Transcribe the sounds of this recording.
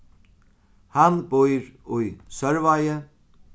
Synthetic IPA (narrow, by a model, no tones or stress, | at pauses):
hanbʊjɾʊjsœɹvajə